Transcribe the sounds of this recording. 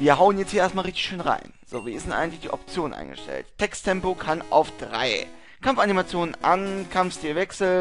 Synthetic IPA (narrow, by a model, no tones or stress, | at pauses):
viːɐɦaʊənjɛt͡sthiːeɐstmaːlʁɪçtɪçʃøːnʁa̰ɪnz̥oːviːɐɪsdɛnʔa̰ɪɡŋ̩tlɪçd̥ḭːʔɔp̚t͡sjoːnʔa̰ɪŋɡ̥ə̰ʃtʰɛ̰lttʰɛkstʰːɛmpokʰanʔa̰ʊfd̥ʁa̰ɪ | kʰamfanimat͡sjoːnənʔankʰamfstiːlvɛksl̩